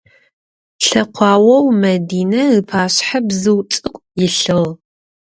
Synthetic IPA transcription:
ɬɐqʷʰɑːwɐwmɐdiːnɐɨpʰaːɕħabzɨwt͡ʃʼɨqʷʼjɪɬɨʁ

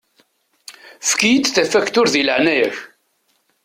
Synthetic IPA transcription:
fkijit͡sːθæfækt̪ʊɾðiləʕnæjæç

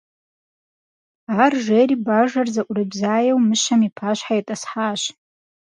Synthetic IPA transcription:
arʒeɾibaʐarzaʔʷʼrɨbzaːjawmɨʃamipʰaʃʷħajatʼasħaʃ

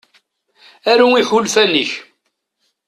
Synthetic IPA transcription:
æɾuiħulfæniç

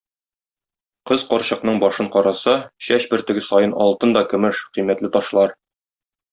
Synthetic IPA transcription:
qɤzqɒɾɕɤ̆qnɤɴbɒʃɤɴqɒɾɑsɑɕæɕbɘ̆ɾt̪ɘ̆ɡɘsɒjɤnʔɒ̰lˠt̪ɤnd̪ɒkɵ̆mɘʃqimæt̪lɘt̪ɒʃlˠɑɾ

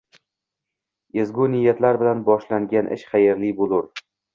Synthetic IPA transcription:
ezɡʲʊnɪjːat̪laɾbɪlanbɒʃlaŋɡʲanʔɪ̰ʃχɑjeɾlibolˠʊɾ

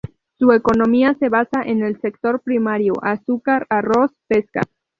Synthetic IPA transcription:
sue̞ko̞nõ̞miase̞βasaʔe̞ne̞lse̞k̚t̪o̞ɾpɾimaɾjoʔasukaɾarospe̞ska̰

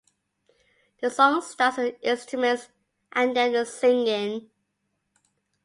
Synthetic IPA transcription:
ðəsɔ̃ŋstɑˑtədɪ̃nstɹ̥əmə̃nts | ʔãndəəsɪ̃ŋɪ̃n

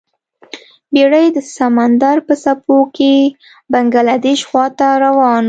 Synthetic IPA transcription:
beɽəjd̪əsamand̪aɾpəsapoke | baŋɡalad̪eʃxwɑt̪aɾawɑn

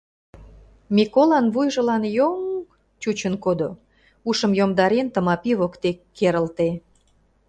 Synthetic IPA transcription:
mʲikolɑnβujʒə̆lɑnjoŋ | t͡ɕut͡ɕənkod̪o | uʃə̆mjomd̪ɑɾent̪ə̆mɑpiβokt̪ekːeɾə̆lt̪e

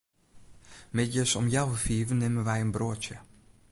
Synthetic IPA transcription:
mɛtjəsɔmjawəfiːvənɪmənʋɛjənbroətjə

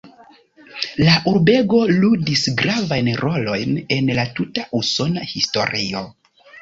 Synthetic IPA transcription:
laʔuɾbe̞ɡo̞ludisɡɾavajnɾo̞lo̞jne̞nlatutaʔuso̞nahisto̞̰ɾio̞

